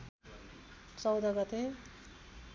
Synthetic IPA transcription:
t͡sʌwd̪ʌɡʌt̪e

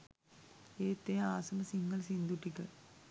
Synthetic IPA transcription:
eːt̪ːejaaːsɐnəsiŋɡəlsind̪uʈːikə

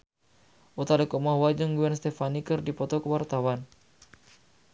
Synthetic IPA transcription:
ʔut̪adəkɔmahwad͡ʒuŋɡuɛnst̪ɛfanikərdipɔt̪ɔkəwart̪awan

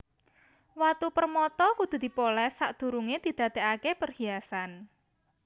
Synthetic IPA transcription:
wat̪upərmɔt̪ɔkud̪̥ṳd̪̥i̤polɛsaʔd̪̥ṳɾuŋed̪̥i̤d̪̥ä̤d̪̥eakepərhiasan

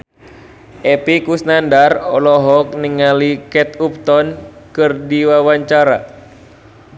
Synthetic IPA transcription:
ʔɛpikusnandarɔlɔɦɔk̚niŋalikɛt̪̚up̚t̪ɔnkɨrdiwawaɲt͡ʃaɾa

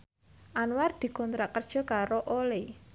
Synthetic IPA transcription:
ʔanward̪̥i̤kɔnt̪ɾakərd̥ʒ̥ɔ̤kaɾoʔole

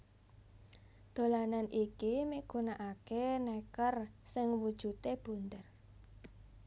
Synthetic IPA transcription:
d̪̥o̤lananʔikimiɡ̥o̤naʔakenɛkərsɪŋwud̥ʒ̥ṳt̪eb̥ṳnt̪ər

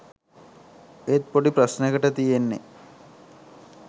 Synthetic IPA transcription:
et̪̚poɖiprɐsnəɡəʈət̪ijenːḛ

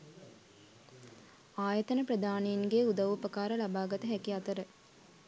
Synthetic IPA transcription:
aːjət̪ənəprəd̪aːneinɡeud̪ɐʋupəkaːɾəlabaːɡɐt̪əɦɛkiat̪əɾə

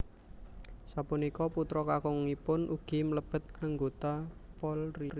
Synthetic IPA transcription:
sapunikɔput̪ɾɔkakɔŋːipʊnʔuɡ̥i̤mələb̥ə̤t̪̚aŋɡot̪apɔlri

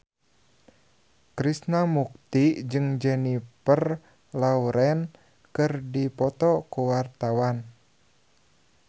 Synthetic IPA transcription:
kɾisnamuk̚t̪id͡ʒɨŋd͡ʒɛnipər | lauɾɛn | kɨrdipɔt̪ɔkuwart̪awan

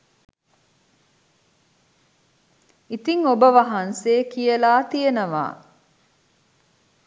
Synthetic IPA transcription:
it̪iŋobəʋɐɦɐnseːkijəlaːt̪ijənəʋa̰ː

